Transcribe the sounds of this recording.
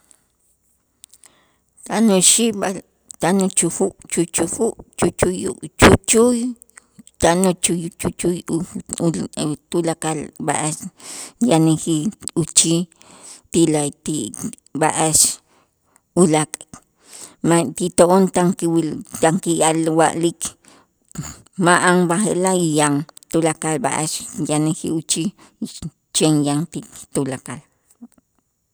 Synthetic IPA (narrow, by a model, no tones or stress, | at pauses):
t̪anoʃiʔ | t̪anot͡ʃuxuʔt͡ʃut͡ʃuxuʔt͡ʃut͡ʃujut͡ʃut͡ʃuj | t̪anot͡ʃut͡ʃut͡ʃuj | t̪ulakalba̰ʔaʃjanixiut͡ʃi | t̪ilat̪i | baʔaʃ | ulakʼ | mat̪it̪oʔont̪aŋkiwit̪aŋkijalwaʔlik | maʔaŋbaxḛlaijaŋt̪ulakalba̰ʔaʃjanihḭut͡ʃi | t͡ʃenjaŋt̪it̪ulakal